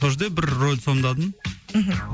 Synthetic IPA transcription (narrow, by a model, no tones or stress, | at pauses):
oʒd̪ebɪɾrolʲd̪sond̪ɑd̪ənɦ